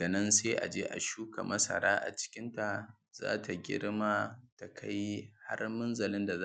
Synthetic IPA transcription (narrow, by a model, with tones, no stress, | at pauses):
d̥a˨nɐ˦nseː˦ʔa̰˨d͡ʒeː˦ʔa̰˨ʃuː˦ka˨mɐ˦sɐ̰˨ɾaː˦ʔa̰˨t͡ʃɪ̥˦kʲɪ˦nta˨ | z̥a̰ː˦tʰa˨ɡʲɪ̰˦ɽma˦ta˨kʰa˦jha̰˦rmʊ˦nzɐ˨lɪ˦nda˨za˦